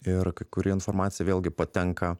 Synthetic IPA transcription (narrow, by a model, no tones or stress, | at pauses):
ɪrkɐɪkʊɾʲɪːɪnfoːrmɑːt̪sʲɪjɛʋeːlʲˠɡʲɪpɐt̪ʲɛŋkɐ